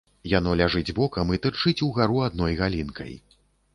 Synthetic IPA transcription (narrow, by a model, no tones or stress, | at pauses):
janɔlʲaʐɨd͡zʲbɔkɐmit̪ɨrt͡ʂɨt͡sʲuɣaɾuad̪nɔjɣalʲinkʰɐ̰j